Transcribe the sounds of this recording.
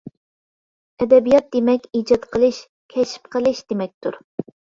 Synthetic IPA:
ɛd̪ɛbijɑt̪̚d̪emɛkʲid͡ʒɑt̪qʰəlˠɨʃ | kʲʰɛʃp̚qʰəlˠɨʃd̪̥emɛk̚ʲt̪ʰuɾ

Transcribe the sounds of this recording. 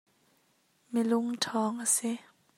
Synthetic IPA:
meluŋt̪ʰɔːŋase

